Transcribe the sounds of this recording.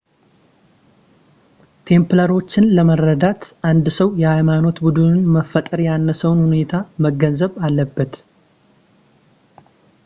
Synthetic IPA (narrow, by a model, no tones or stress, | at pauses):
t̪ʰe̞mpləɾo̞t͡ʃːɪnləməɾːəd̪at̪ʔand̪səwjɛhajmano̞t̪bud̪ɨnɨnməfːət̪ʼəɾjanːəsəwnhune̞t̪ʰaməɡənzəβalːəbːət̪